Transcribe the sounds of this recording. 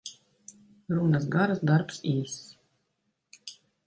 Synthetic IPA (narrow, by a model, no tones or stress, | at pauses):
ɾunasɡaɾasd̪aɾpsiːs